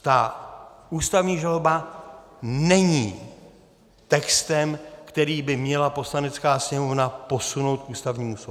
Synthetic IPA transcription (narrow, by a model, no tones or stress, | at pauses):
t̪aʔuːst̪avɲiːʒaloba | nɛɲiː | t̪ɛkst̪ɛmkt̪ɛɾiːbɪmɲɛlapo̞slanɛt͡skaːsɲɛmo̞vnapo̞suno̞wt̪̚kuːst̪avɲiːmuːsobu